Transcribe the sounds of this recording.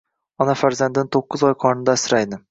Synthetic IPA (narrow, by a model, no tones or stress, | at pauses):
ɒnafaɾzand̪ɪnɪt̪ʰoqːɨzɒjqʰɒɾnɪd̪asɪɾajd̪ɪ